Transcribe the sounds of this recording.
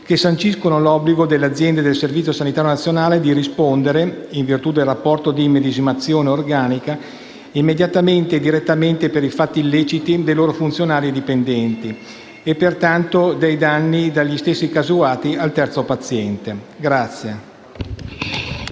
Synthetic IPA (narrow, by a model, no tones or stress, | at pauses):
kesːant͡ʃiskonolɔbːliɡod̪elːead̪zːjɛnd̪ed̪elservit̪sjosanit̪aːɾjonat̪sːjonaːled̪iɾispond̪eɾeiɱvirt̪ud̪elrapːɔrt̪od̪imed̪id͡ʒimat̪sːjoːneorɡaːnika | imːed̪jat̪ament̪ed̪iɾet̪ːament̪epeɾifat̪ːiːlːeːt͡ʃit̪id̪ejloːɾofunt̪sjonaːɾied̪ipend̪ɛnt̪i | epːert̪ant̪od̪ejd̪anːid̪aʎːist̪esːikazuaːt̪ialt̪ɛrt̪sopat̪sːjɛnt̪e | ɡɾat̪sːje